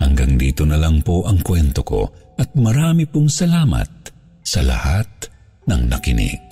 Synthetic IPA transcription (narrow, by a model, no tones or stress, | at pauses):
hɐŋɡɐŋd̪ḭːt̪onɐlɐŋpoʔɐŋkwɛnt̪oko̞̰ɐt̪̚mɐɾaːmipʊŋsɐlaːmɐ̰t̪̚ | sɐlɐ̰hat̪̚ | nɐŋnɐ̰kɪnḭɡ̚